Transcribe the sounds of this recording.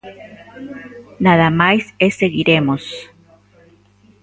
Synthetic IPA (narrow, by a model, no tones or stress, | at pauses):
naðamajseseɣiɾemos